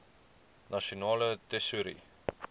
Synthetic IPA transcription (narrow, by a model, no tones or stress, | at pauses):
nɐʃionɑːlədɛsuɾḭ